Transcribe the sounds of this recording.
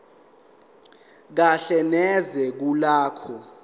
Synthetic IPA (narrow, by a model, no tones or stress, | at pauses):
k̬aɬɛnɛzɛk̬ulaːkʰɔ